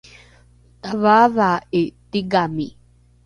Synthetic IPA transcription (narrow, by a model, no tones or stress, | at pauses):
t̪aβaðaʔet̪iɡami